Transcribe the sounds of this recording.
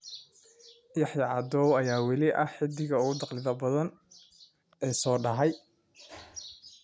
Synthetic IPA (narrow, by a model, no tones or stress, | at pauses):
jɑħjɑʕɑd̪ɔːwɐjaːwɐlɪʔɐħɪd̪ɪɣɐʊɣʊd̪ɑqlɪðɐbɐðɐn | ɛːsɔːɖɐɦɛj